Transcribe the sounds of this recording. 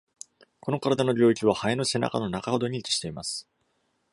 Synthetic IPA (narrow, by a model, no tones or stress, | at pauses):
ko̞no̞kaɾad̪ano̞ɾʲo̞ːikʲiβ̞ahaeno̞se̞na̰ka̰no̞nakaho̞d̪o̞ɲ̟it͡sɨ̥ɕi̥t̪e̞imasɨ̥